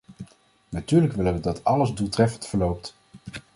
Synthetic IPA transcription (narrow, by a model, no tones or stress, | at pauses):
natyːɹləkʋɪləʋədɑtɑləzdulˠtrɛfəntfəɹlowp̚t